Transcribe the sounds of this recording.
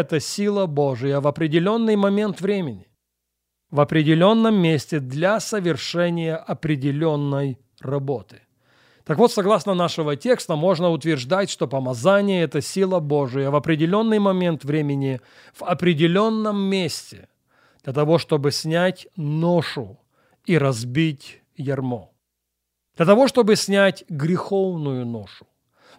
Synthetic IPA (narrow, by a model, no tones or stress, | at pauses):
ɛt̪əsʲilˠəbo̞ʐɨjəvɐpɾʲɪdʲɪlʲo̞nːɨjmɐmʲe̞nt̪vɾʲemʲɪnʲɪ | vɐpɾʲɪdʲɪlʲo̞nːəmːʲesʲtʲɪd̪lʲasəvʲɪrʂɛnʲɪjəʔɐpɾʲɪdʲɪlʲo̞nːəj | rɐbo̞t̪ɨ̥ | t̪akvo̞t̪sɐɡlˠasnənaʂɨvətʲe̞kst̪əmo̞ʐnəʊt̪vʲɪrʐd̪atʲʂt̪o̞pəmɐzanʲɪjəɛt̪əsʲilˠəbo̞ʐɨjəvɐpɾʲɪdʲɪlʲo̞nːɨjmɐmʲe̞nt̪vɾʲemʲɪnʲɪ | v̥ɐpɾʲɪdʲɪlʲo̞nːəmːʲesʲtʲɪ | d̪̥lʲɐt̪ɐvo̞ʂt̪o̞bɨsʲnʲætʲnoʂʊ | iɾɐzbʲitʲ | jɐrmo | d̪lʲɐt̪ɐvo̞ʂt̪o̞bɨsʲnʲætʲɡɾʲɪxo̞vnʊjʊnoʂʊ̥